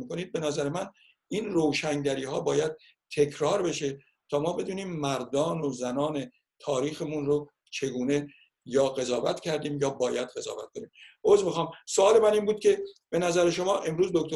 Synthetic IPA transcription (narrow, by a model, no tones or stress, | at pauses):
miko̞niːd̪̚be̞næzæɾemæn | iːnrowʃæŋɟæɾiːhɒːbɒːjæd̪̚ | t̪ʰe̞kʰɾɒːɾbe̞ʃe | t̪ʰɒːmɒːbe̞d̪uːniːmːæɾd̪ɒːnozænɒːne̞ | t̪ʰɒːɾiːxemunɾo | t͡ʃʰe̞ɡuːne̞ | jɒːɣe̞zɒːvæt̪ʰcʰæɾd̪iːmjɒːbɒːjæd̪̥ɢe̞zɒ̰ːvæ̰t̪ko̞niːmʔoːzmixɒːmsoɒːle̞mæniːnbuːd̪̥̚cʰʲe̞b̥e̞næzæɾeʃo̞mɒːʔe̞mɾuːzd̪okt̪o